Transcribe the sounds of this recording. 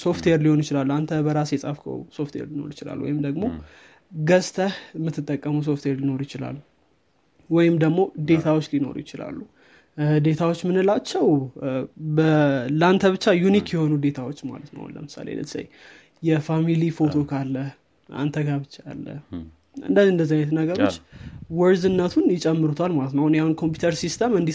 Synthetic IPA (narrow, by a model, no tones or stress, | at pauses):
so̞ft̪weɾliho̞njɪt͡ʃɪlalːuant̪ʰəbəɾasjɛsʼafkʰə̰wso̞ft̪wḛɾlino̞̰ɾjɪt͡ʃɪla̰lːwɔ̰jɪmd̪əɡmo̞ | ɡəst̪ʰəhmːɨt̪ːɨt̪ʼːəkʼːəməws̬o̞ft̪weɾlino̞ɾjɪt͡ʃɪla̰lːu | wɔjɪmd̪əɡmo̞d̪e̞t̪ʰawot͡ʃːlino̞̰ɾṵjɪt͡ʃɪla̰lːu | d̪e̞t̪ʰawot͡ʃːmɨnɨlat͡ʃːɛw | bəlant̪ʰəβɨt͡ʃːajunikjɛho̞nud̪e̞t̪ʰawo̞t͡ʃːma̰lət̪nə̰w̰nlə̰mɨsa̰lḛlə̰t̪ʰːə̥sə̰j | jɛfamilifo̞t̪ʰo̞kʰalːəh | ʔa̰nt̪ʰəɡaβɨt͡ʃːaa̰lːə̰ | ɨ̰nd̪əziɨnd̪əzːajɛt̪nəɡəɾo̞t͡ʃːwɔɾzɨnːət̪ʰunjɪt͡ʃʼɛmːɨɾut̪ʰalmalət̪nəhunjahunkʰo̞mp̬jut̪ʰəɾsist̪ʰəmɨnd̪i